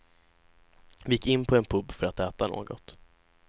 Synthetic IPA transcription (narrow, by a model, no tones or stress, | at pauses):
vɪjɪkːɪnːpʰɔɛnpʰɵbːfœɾat̪ɛːt̪ano̰ːɡɔ̰t̪